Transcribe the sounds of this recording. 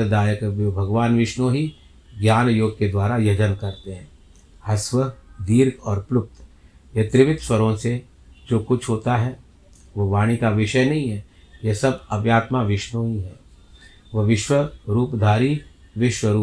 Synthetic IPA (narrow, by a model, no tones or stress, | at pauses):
d̪aːjəkːbʱɐɡʋaːnʋɪʃnõɦi | ɡjaːnjoːɡ̚ked̪waːɾajɐd͡ʒənkɐɾt̪eɦɛ̃ː | hɐswəd̪iːɾɡɔːɾplʊp̚t̪jɐt̪ɾɪʋɪt̪swɐɾõse | d͡ʒoːkʊt͡ʃʰɦoːt̪aɦɛ | ʋoʋaːɽ̃ikaʋɪʃəjnɐɦĩɦɛː | jesɐbɐbjaːt̪maʋɪʃnõɦiɦɛ̃ː | ʋɐʋɪʃwəɾuːpd̪ʱaːɾiʋɪʃwəɾuː